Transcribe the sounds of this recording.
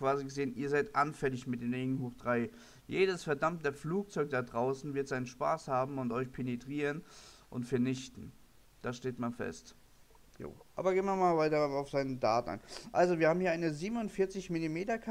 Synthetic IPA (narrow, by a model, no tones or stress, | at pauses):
kv̥aːziɡəzeːənʔiːɐzaɪtʔanfɛlɪçmɪt̚d̥eːnʁeːɡn̩huːχd̥ʁaɪ | jeːdəsfɛɐdamtəfluːk̚t͡sɔʏk̚d̥adʁaʊsn̩vɪɐtz̥aɪnənʃpa̰ːshaːbm̩ʊntʔɔʏçpʰenedʁ̥iːʁənʔʊntfɛɐnɪçtn̩ | d̥aʃteːtmanfɛ̰st | jo̰ːʔʔa̰ːbɐɡeːnmamaːlvaɪtɐaʊfz̥aɪnəda̰ːtn̩ʔa̰nʔa̰lzoviɐhaːmhiɐaɪnəziːbmnʊntfɪɐt͡sɪçmɪlimeːtɐkʰ